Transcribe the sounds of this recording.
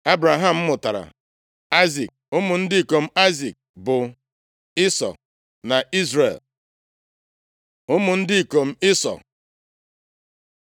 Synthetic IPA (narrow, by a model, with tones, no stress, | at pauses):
a˦bɾa˨ɦa˨m̩˦mʊ˨ta˨ɾa̰˨ | a˦ɪzi˨k̚ʊ˦mʊ˨n̩˦dɪ˦i˨ko˨m̩˦a˦ɪzi˨k̚bʊ˨ | ɪ˦sɔ̰˨k̚ | na˨i˦zrḛ˨l | ʊ˦mʊ˨n̩˦dɪ˦i˨ko˨m̩˦ɪ˦sɔ̰˨k